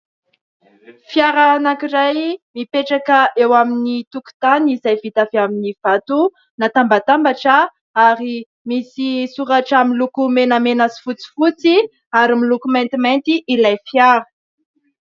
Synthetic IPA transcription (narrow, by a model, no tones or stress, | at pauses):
fjaɾanakiɾajmipeʈ͡ʂakəʔewaminit̪uku̥t̪anizajvit̪aviaminiv̥at̪u | nat̪ambat̪ambaʈ͡ʂə | aɾi | misisuɾaʈ͡ʂamilukumenəmenasi̥fut͡si̥fut͡si | aɾimilukumẽnt̪iment̪iʔilajfjaɾə̥